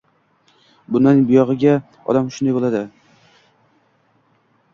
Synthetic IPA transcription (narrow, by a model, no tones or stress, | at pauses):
bʊnanɪŋbʊjɒʁɨɡʲa | ɒ̰d̪amʃʊnd̪ajbolad̪ɪ